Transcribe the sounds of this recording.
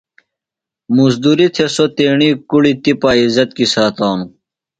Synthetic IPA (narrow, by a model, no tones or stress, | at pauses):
muzd̪uɾit̪ʰesot̪eːɳiːkuɽit̪ipaːizɐt̪kisaːt̪aːnu